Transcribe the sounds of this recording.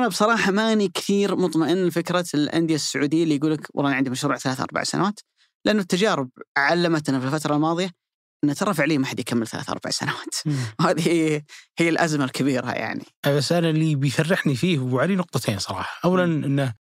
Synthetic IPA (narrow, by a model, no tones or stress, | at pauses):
ʔanabsˤɑɾˤɑːħɑmaʔnikɪ̥θiːɾmʊt̪ˤmaʔɪnːfɪkɾɑlʔa̰nd̪jasːʊʕuːd̪ɪjːalijɡuːlakwʔlːˤʔnʕɪnd̪imaʃɾuːʕθalaːθʔɑ̰ɾˤba̰ʕsa̰na̰waːt̪ | lʔanːʊt̪ːad͡ʒaːɾɪb̚ʕalːamat̪nafilfat̪ɾˤɑlmɑːðˤɨja | ʔɪnːat̪aɾˤɑfɪʕleːmaħad̪jkʰamːɪlθala̰ːθʔɑ̰ɾˤba̰ʕsa̰nawaːt̪whaːðihijːalʔazmalkʰabiːɾa̰ja̰ʕnḭʔbasːʔallːibjfarːɪħnifiːhwʕalinʊq̚t̪ˤɑt̪ʰeːnsˤɑɾˤɑ̰ːħɑ̥ʔawːalanʔɪnːa